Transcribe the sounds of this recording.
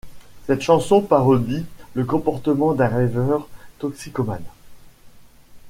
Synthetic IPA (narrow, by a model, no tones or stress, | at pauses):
sɛt̪ʃɑ̃sɔ̃paʁɔd̪iləkɔ̃pɔʁt̪əmɑ̃d̪ɛ̃ʁɛvœʁt̪ɔksikɔman